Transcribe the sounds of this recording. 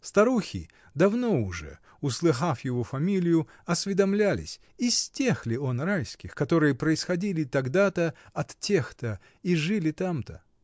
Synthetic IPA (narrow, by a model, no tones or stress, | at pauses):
st̪ɐɾuxʲɪ̰ | d̪ɐvno̞ʊʐɛ̰ | ʊslˠɨxafjɪvo̞fɐmʲilʲɪjʊ | ɐsʲvʲɪd̪ɐmlʲælʲɪ̰sʲ | isʲtʲe̞xlʲɪonrajskʲɪxkɐt̪o̞ɾɨjəpɾəɪsxɐdʲilʲɪt̪ɐɡd̪at̪əɐt̪tʲe̞xt̪ə | iʐɨlʲɪt̪amt̪ə̰